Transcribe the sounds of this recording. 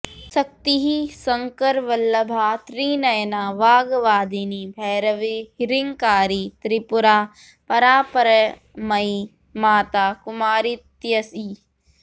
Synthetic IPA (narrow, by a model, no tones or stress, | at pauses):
sɐk̚t̪iɦisɐŋkəɾʋɐlːɐbʱaːt̪ɾiːnɐjnaːʋaːɡʋaːd̪inibʱɛːɾɐʋiɦɪɾiŋkaːɾit̪ɾipʊɾaː | pɐɾaːpɐɾɐ | mɐi | maːt̪aːkʊmaːɾit̪jɐsi